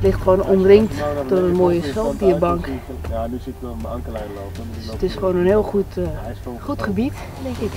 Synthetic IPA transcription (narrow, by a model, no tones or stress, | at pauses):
lɪχtχʋoːnɔmrɪŋktd̥orənmoəjəsɛlˠdiəbɑŋk | dsətɪsχʋoːnənhɪːlˠχut | χutχəbit | dɛŋkɪk